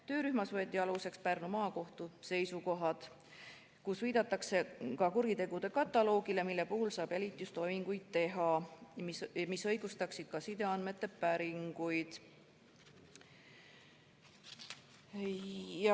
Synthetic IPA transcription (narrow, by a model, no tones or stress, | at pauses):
t̪ø̞ːɾyhmɑsvɤ̞et̪ʲːˑiɑluse̞kspærnumɑːko̞ht̪use̞jsuko̞ɦɑd̪̥ | kusviːd̪̥ɑt̪ːˑɑkse̞kɑkuɾit̪e̞ɡ̥ud̪̥e̞kɑt̪ːˑɑlo̞ːɡ̥ile̞milːe̞puhulsɑːb̥jælʲit̪ːˑijust̪o̞jmiŋɡ̥ujd̪̥̚t̪e̞ɦɑmmisɤ̞jɡ̥ust̪ɑksid̪̥̚kɑsid̪e̞ɑnme̞t̪ːˑe̞pæɾiŋɡ̥ujd̪̥